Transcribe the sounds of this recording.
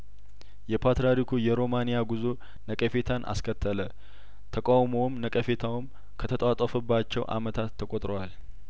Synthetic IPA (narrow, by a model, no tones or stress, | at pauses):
jɛpʰat̪ɾaɾikʰujɛɾo̞manijaɡuzu | nəkʼəfet̪ʰanʔa̰skʰət̪ʰːələ | t̪ʰəkʼawmo̞wmnəkʼəfe̞t̪ʰawɨm | kʰət̪ʰət̪ʼat̪ʼəfɨbːat͡ʃːɛwʔa̰mət̪ʰat̪ʰːəkʼot̪ʼɾowal